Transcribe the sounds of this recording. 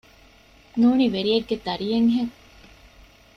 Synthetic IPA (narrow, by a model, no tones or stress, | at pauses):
nuːniʋeɾiɐɡːed̪ɐɾijeŋɦeŋ